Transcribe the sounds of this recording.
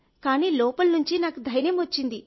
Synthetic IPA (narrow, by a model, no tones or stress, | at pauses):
kaːniːlɔːpɐlnuɲt͡ʃinaːkud̪ʱɐjnjɐmʋɐt͡ʃːind̪i